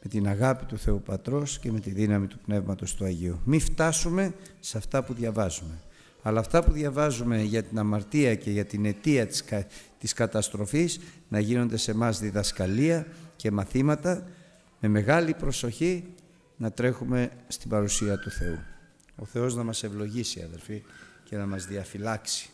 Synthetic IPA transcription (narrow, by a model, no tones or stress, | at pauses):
me̞t̪inɐɣɐpit̪uθe̞upɐt̪ɾo̞sce̞me̞t̪iðinɐmit̪upne̞vmɐt̪o̞st̪uɐʝiumift̪ɐsume̞sɐft̪ɐpuðʝɐvɐzume̞ | ɐlɐːft̪ɐpuðʝɐvɐzume̞ʝɐt̪inɐmɐɾt̪iɐce̞ʝɐt̪ine̞t̪iɐt̪t̪iskɐt̪ɐst̪ɾo̞fisnɐʝino̞nd̪e̞se̞mɐzðiðɐskɐliɐce̞mɐθimɐt̪ɐ | me̞me̞ɣɐlipɾo̞so̞çi | nɐt̪ɾe̞xume̞st̪ibɐɾusiɐt̪uθe̞u | o̞θe̞o̞znɐmɐse̞vlo̞ʝisiɐ̰ðe̞lfice̞nɐmɐzðiɐfilɐksi̥